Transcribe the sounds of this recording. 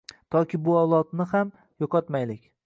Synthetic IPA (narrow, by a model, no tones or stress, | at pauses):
t̪ʰɒkʲʰɪbʊɒlˠɒt̪nɪham | jɒqʰɒt̪majlɪkʲ